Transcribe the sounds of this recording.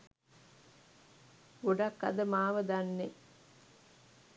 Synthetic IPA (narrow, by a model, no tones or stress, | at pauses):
oɖɐkːɐ̰d̪əmaːʋəd̪anːe